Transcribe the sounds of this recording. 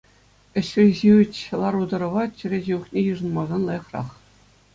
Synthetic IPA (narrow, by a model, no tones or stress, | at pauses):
ɘ̆ɕʲɘ̆ʑiɘt͡ɕʲlˠɑɾud̪ɤ̆ɾɤ̆ʋɑt͡ɕɘ̆ɾʲĕʑeuχnʲejɯʐɤ̆nmɑzɑnlˠɑjɤ̆χrɑ̰χ